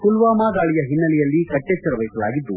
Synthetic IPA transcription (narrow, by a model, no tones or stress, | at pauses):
kulʋaːmaːɡaːɭijɐɦinːɐlɛjɐlːikɐʈːet͡ʃːɐɾɐʋɐjkɐla̰ːɡid̪ːu